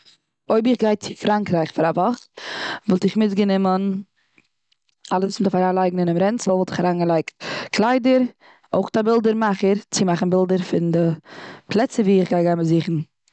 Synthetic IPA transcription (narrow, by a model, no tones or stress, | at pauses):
oɪbɪχɡaɪt͡sɪfɾaŋkɾaɪχfaɾavɔχvɔlˠtɪχmɪtɡənɪmən | alˠəsusmɪtəfaɾaːnlˠaɪɡŋ̩ɪnɪmɾɛnt͡sl̩ˠvɔlˠtɪχaɾaːnɡəlˠaɪkt̚kʰlˠaɪdəɾ | oʊχtabɪlˠdəɾmaχəɾt͡sɪmaχn̩bɪlˠdəɾfɪndɪpʰlˠɛt͡səviːɪχɡaɪɡaɪməziːχn̩